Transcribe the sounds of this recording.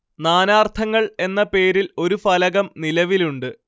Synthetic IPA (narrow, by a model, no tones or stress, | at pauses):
naːnaːrt̪ʰɐŋːɐɭe̞nːɐpe̞ːɾilo̞ɾufɐlɐɣɐmnilɐʋiluɳɖɨ